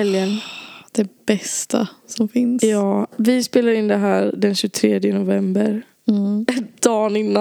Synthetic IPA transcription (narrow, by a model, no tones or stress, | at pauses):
ɛljənd̪̥ɛbɛst̪ʰa̰sɔmfɪnsjɑːvɪspeːlaɾɪnːd̪ɛɦæːɾɖɛnɕɵt̪ʰɾeːd̪jənʊvɛmbəɾ | d̪̥ɑːnɪnːa